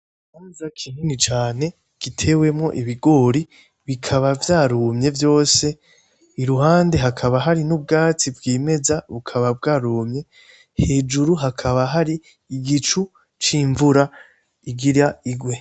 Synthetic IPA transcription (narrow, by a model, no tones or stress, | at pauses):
nanuzakʰininit͡ʃaːne̞ | ɡ̥itʰe̞we̞mŋo̞̰ʔiβiɡo̞ːɾi | βikʰaβavjaːɾumɲe̞vjo̞ːse̞ | iɾuɦaːnde̞ɦakʰaβaɦaɾinub̚ɡaːt͡sibɡiːme̞zaβukʰaβab̚ɡaːɾuːmɲe̞ | he̞d͡ʒuɾuɦakʰaβaɦaɾiː | ɡit͡ʃu | t͡ʃiːɱvuɾa | iɡiɾaiɡwe̞